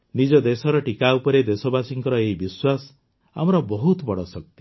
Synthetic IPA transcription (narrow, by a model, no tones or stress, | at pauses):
nid͡ʒɔd̪esɔɾɔʈikaupɔɾed̪esɔbasiŋkɔɾɔeɦibiswasɔ̥ | a̰mɔɾɔbɔɦut̪bɔɽɔsɔk̚t̪i̥